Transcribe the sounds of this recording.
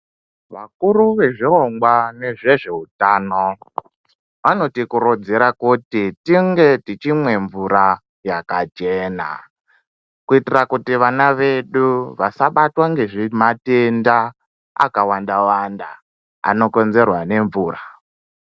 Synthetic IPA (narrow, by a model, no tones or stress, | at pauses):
ʋakuɾuʋe̞ʐiroŋɡwane̞ʐe̞ʐe̞utaːno | ʋano̞tikuɾod͡zeɾakutitiŋɡe̞tit͡ʃimwe̞ɱvuɾa | jakat͡ʃe̞ːna̰ | kuitirakutiʋanaʋe̞ɗuʋasaɓatwaŋɡe̞ʐimatenda | a̰kawandawanda | a̰no̞ko̞nze̞rwane̞ɱvuːra